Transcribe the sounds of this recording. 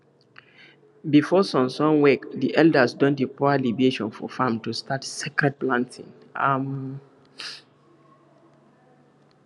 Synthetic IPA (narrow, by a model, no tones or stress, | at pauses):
bifɔsɔ̃nsɔ̃ŋwɛkðiʔɛldəsdɔ̃ndəpɔalivieʃɔ̃nfɔ̰fãmtustʰatsɛkɹɛd̚plãntḭ̃ŋ | am